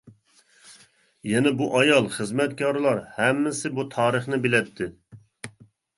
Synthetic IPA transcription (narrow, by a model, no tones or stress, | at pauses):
jɛnɛbuʔɑjɑlˠχəzmɛt̪̚kʲʰɑɾlˠɑɾhɛmːɪsɪbut̪ʰɑːɾəχnɪbɪlɛt̪ʰːɪ